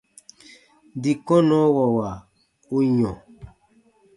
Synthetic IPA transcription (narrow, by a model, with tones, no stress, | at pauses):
di˨kɔ˦nɔ˨˦wɔ˨wa˨ | u˦ɲɔ̃˨